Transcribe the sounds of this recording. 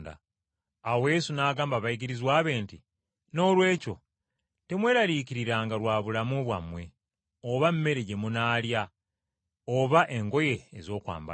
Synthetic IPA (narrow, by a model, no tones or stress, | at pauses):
da̰ː | weje̞sunaːɡaːmbaβajiɡiɾizwaːβe̞ːnti | no̞ːlwe̞ːco̞ | te̞mwe̞ːɾaɾiciɾiɾaːŋɡalwaːβulamuβwa̰mwe̞ | oβamme̞ɾe̞ɟe̞munaːlja | oβaʔe̞ŋɡo̞je̞ːzo̞ːkwa̰ːmba̰